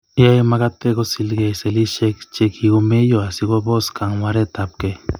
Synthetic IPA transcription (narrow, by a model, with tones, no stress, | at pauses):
ja˦jmaɡat̪e˦ɡosi˧lɡe˧se˨li˦ʃe˦kt͡ʃe˧kiɡome˦joasiɡo˦bo˦ska˨ŋwaɾe˦t̪ap̚ke˨